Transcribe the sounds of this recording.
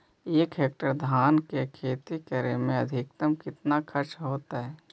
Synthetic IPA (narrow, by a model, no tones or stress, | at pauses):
eːkɦeːk̚ʈəɾd̪ʱaːnkekʰeːt̪ikəɾemẽɐd̪ʱɪk̚t̪əmkɪt̪nakʰɐɾt͡ʃɦoːt̪aɦɛː